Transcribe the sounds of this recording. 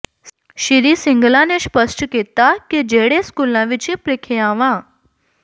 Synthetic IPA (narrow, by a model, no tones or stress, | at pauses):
ɕiɾisiŋɡlãneɕpəsʈket̪akid͡ʑeɽeskulãʋit͡ɕipɾekʰeãʋã